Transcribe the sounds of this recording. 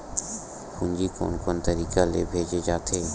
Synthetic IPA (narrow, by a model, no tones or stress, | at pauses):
kũːɲd͡ʒikɔ̰ːnkɔːnt̪əɾiːkalḛːbʱeːd͡ʒed͡ʒaːt̪ʰeː